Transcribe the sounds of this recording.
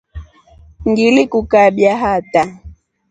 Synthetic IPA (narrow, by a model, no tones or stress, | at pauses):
ŋɡilikukaɓjaɦata